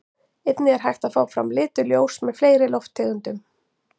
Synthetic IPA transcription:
ejt̪nɪɛɾ̥ɦajxt̪afaːwfɾa̰mlɪːt̪ʏljoːwsmɛðfleːjɾɪlɔft̪ʰːɛːɣʏnt̪ʏm

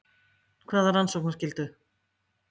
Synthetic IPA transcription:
kʰvaːðaɾansɔwknascɪlt̪ʏ

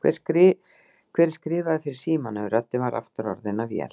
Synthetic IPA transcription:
kʰvɛ̰ɾ̥skɾɪ | kʰv̥ɛːɾ̥skɾɪːvaðɪfɪɾɪɾ̥siːmanʏɾat̪ɪvaɾa̰ft̪ʏɾɔ̰ɾðɪnavjɛ̰l

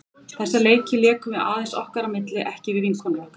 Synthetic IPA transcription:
θɛsːaleːjcɪlɛːkʏvɪa̰ːðɛnsɔhkaɾamɪt̪lɪʔɛhcɪvɪðiŋkʰɔnvɔhka

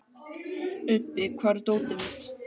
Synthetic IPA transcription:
ʏpːɪkʰvaɾt̪oːwt̪ɪvɪ̥t̪

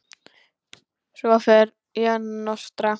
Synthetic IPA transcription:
sɔfɛɾ | janɔst̪ɾa

